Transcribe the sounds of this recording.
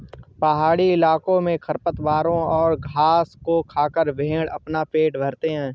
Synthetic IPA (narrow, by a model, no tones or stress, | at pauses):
pɐɦaːɽiɪlaːkõmẽkʰɐɾpət̪ʋaːɾõɔːɾɡʱaːskokʰaːkəɾbʱẽːɽɐ̰pnapeːʈbʱɐɾt̪eɦɛ̃ː